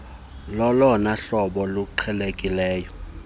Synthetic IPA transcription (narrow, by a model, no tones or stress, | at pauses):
lɔlɔnaɬɔɓɔluǃʰɛlekʼilɛːjɔ